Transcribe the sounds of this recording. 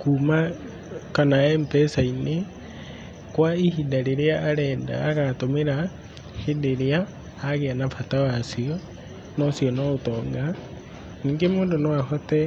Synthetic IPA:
kuːma | kanaɛmpɛsaine | kwaihidaɾeɾeaːɾɛːda̰ːɣatomeɾa | hedeɾeaː | ɣeanafatawasiɔ | nɔsjɔnɔotɔːŋɡa | niːŋɡemoːndonoahɔtɛ

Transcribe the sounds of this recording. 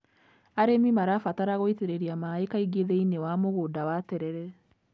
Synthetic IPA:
aɾemimaɾafataɾaɣoiteɾeɾiamaekaiɡeðɛinewamoɣodawatɛɾɛɾɛ

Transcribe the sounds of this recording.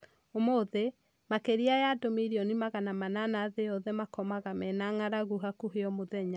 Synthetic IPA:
omoðe | makeɾiajadomiɾiɔnimaɣanamananaðeɔðɛmakɔmaɣamɛnaŋaɾaɣuɦakuɦeɔmoðɛɲa

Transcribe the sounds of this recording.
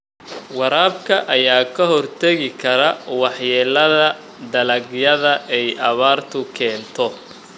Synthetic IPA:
wɑɾaːbkʰɐʔɐjaːkʰɐɦɔrt̪ʰɐɣɪkʰɐɾɐwɑħjɛːlɐðɐ | d̪ɐlɐɡjɐðɐʔɛjɐβaːrt̪ʰʊkʰɛːnt̪ʰɔ

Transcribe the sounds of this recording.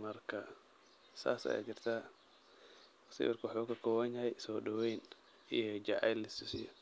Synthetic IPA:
mɐrkʰɐ | sa̰ːsɐ̰ja̰ːt͡ʃɪrt̪ʰaː | sɪ̰wɑrkʰwħuːkʰɐkʰɔːwɐnjɐɦɛjsɔːɗɐwɛjn | ijɔd͡ʒɑʕa̰jlɪsɪsɪjɔ

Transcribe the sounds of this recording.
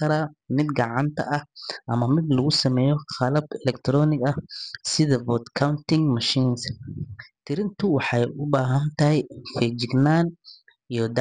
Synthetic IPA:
ɐɾaːmɪd̪ɡɑʕɑnt̪ʰɐ̰ʔɐhʔɐmɐmɪd̪lɐɣʊsɐmɛːjɔxɐlɐbɛlɛkt̪ɾɔːnɪɡɐsɪðɐbɔd̪kʰawnt̪ɪŋmɐʃiːns | t̪ʰɪɾɪnt̪ʊwɑħɑjʔʊbaːɦɐnt̪ɐɦɛjfɛd͡ʒɪɡnaːn | ijɔd̪

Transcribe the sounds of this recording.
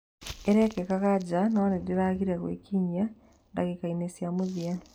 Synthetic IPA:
eɾekekakaɟanawanidiɾakiɾakwḛːkiɲːa | ndakekaimesjamuðja

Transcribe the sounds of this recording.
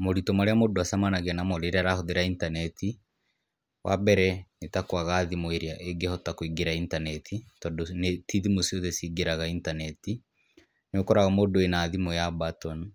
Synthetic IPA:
moɾitɔmaɾeamodoasamanaɣɛnamɔɾeɾaɾahoðeɾaintanɛtʰi | wʔa̰bɛɾɛnetakoaɣaːðimoeɾeaʔeɡehɔtakoiɡeɾaintanɛtʰitɔdɔnetiðimosioðɛsiɡeɾaɣaintanɛti | neokɔɾaɣamodoenaːðimojabatɔn

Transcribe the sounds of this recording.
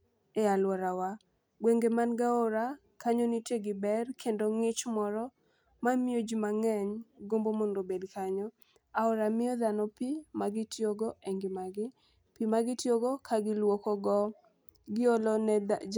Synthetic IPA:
ɛalwɔɾawa | ɡweŋɡemanɡaɔɾa | kaɲoniteɡɪbɛrkʰendoŋɪt͡ʃmɔɾɔ | mamɪod͡ʒimaŋɛɲɡombomondobedkaɲɔ | aɔɾamɪɔd̪anɔpimaɡɪtjoɡɔeŋɡɪmaɡɪ | pimaɡɪtjoɡɔkʰaɡɪlwokɔɡɔ | ɡɪolɔn

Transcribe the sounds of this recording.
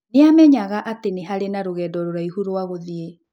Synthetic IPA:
neamɛɲaɣaʔateneɦaɾenaɾoɣɛːdɔɾoɾaihuɾoaɣoðie

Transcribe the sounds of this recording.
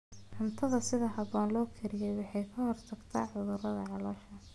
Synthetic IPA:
ħʊnt̪ʰɐðɐsɪðɐɦɐβɔːnlɔːkʰɛɾɪjɛjwɑħɑjkʰɐhɔrt̪ʰɐɡt̪ʰaːʕʊðʊrɐðɐ̰ʕɑlɔːʃɐ

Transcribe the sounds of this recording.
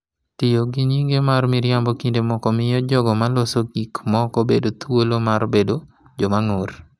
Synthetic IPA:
tɪjoɡiɲiŋɡemarmɪɾjambɔkindemɔkɔmɪjɔd͡ʒɔɡɔmalosoɡikmɔkɔbedot̪wolomaɾbedo | d͡ʒɔmaŋor

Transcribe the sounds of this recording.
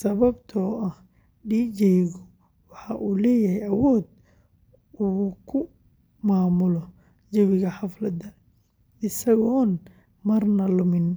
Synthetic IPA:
sɐβɐbt̪ʰɔːʔɐh | ɖiːd͡ʒɛjɣɔ | wɑħɑʔuːlɛːjɐhɛjɐwɔːd̪̚ | uːkʰʊ | maːmʊlɔ | d͡ʒɐβɪɣɐħɑflɐd̪ɐ | ɪsɐɣɔːn | mɐrnɐlʊmɪn

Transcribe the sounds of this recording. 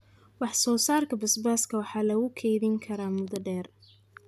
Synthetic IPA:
wɑħsɔːsaːrkʰɐbɐsbaːskʰɐwɑħɑːlɐɣʊkʰɛjðɪŋkʰɐɾaːmʊd̪ɐɖɛːr

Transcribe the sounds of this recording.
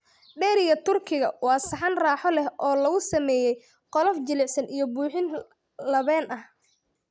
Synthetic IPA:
ɖɛːɾɪɣɐt̪ʊrkʰɪɣɐwɑːsɐħɑnraːħɔlɛhɔːlɐɣʊsɐmɛːjɛj | qɔlɔft͡ʃɪlɪʕsɐnijɞbuːħɪn | lɐβɛːnɐh

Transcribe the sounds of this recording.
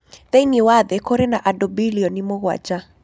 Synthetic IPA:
ðɛiniwaðɛkɔɾɛnaʔaɗɔbiliɔnimɔɣwa̰t͡ʃa

